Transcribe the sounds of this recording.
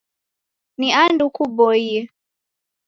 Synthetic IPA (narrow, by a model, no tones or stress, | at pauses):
niandukuɓɔiɛ